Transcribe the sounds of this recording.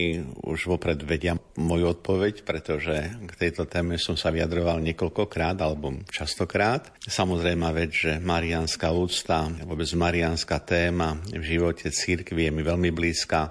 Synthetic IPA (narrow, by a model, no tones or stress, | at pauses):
iṵʒʋɔpɾɛd̪ʋɛɟɪamɔjuɔt̪̚pɔʋɛcpɾɛt̪ɔʒɛkt̪ɛjt̪ɔt̪ɛːmɛsɔmsaʋiad̪ɾɔʋalɲɪɛkɔlkɔkɾaːd̪alɛbɔt͡ʃast̪ɔkɾaːt̪samɔzɾɛjmaʋɛd͡zʒɛmaɾianskauːt͡st̪aʋʊɔbɛd͡zmaɾianskat̪ɛːmavʒiʋɔcʰɛt͡siɾkʋijɛmiʋɛlmibliːska